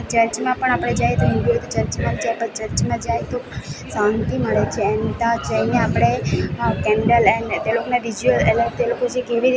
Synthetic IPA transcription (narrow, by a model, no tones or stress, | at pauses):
t͡ʃəɾt͡ʃmãpəɳ̃apɽ̃ed͡ʒajt̪oɦɪ̃nd̪uet̪et͡ʃəɾt͡ʃmãd͡ʒajpət͡ʃəɾt͡ʃmãd͡ʒajt̪osãnt̪iməɭet͡ʃʰeɛnt̪ad͡ʒəjneapɽ̃ekɛnɖəlɛnt̪elokoneʋid͡ʒuəleləɾʈ̚t̪elokot͡ʃʰekeʋiɾi